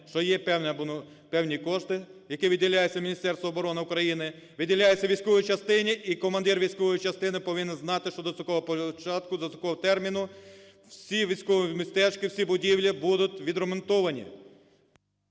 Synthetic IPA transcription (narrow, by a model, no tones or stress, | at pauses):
ʃt͡ʃɔjɛpɛwnʲɐbʊnɔ | pɛwnʲikɔʃt̪ɪjɐkɪʋʲidʲilʲajet͡sʲːɐmʲnʲist̪ɛrst̪ʋɐːbɔɾɔnɪʊkɾɐjinɪ | ʋʲidʲilʲajet͡sʲːɐʋʲijsʲkɔʋɔjit͡ʃɐst̪ɪnʲɪʔikɔmɐnd̪ɪrʋʲijsʲkɔʋɔjit͡ʃɐst̪ɪnɪpɔʋɪnɪnznɑt̪ɪʃt͡ʃɔd̪ɔsʲɔkɔʋɔpɔt͡ʃɑt̪kʊd̪ɐt͡s̪ʲɔkɔɦɔt̪ɛrmʲinʊ | wsʲiʋʲijsʲkɔʋimist̪ɛt͡ʃkɪwsʲibʊdʲiwlʲibud̪ʊtʲʋʲid̪ɾɔmɔnt̪ɔʋɐnʲḭ